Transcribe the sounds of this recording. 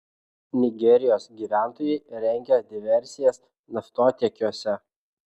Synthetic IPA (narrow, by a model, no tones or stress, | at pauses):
nʲɪɡʲɛɾʲɪjoːsɡʲiːʋʲæˑnt̪oːjɛɪɾʲɛŋʲɡʲɛd̪ʲɪʋʲɛɾʲsʲɪjɛs | nɐft̪oːt̪ʲɛːkʲuɔsʲɛ